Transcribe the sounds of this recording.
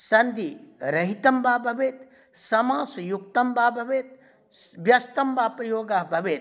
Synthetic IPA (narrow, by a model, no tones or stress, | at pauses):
sɐnd̪iɾɐɦit̪ɐmbʱaːbʱɐʋeːt̪ | sɐmãːsɐjuk̚t̪ɐmbʱaːbʱɐʋeːt̪̚ | ʋjɐst̪ɐmbʱaːpɾɐjoːɡaɦbʱɐʋeːt̪̚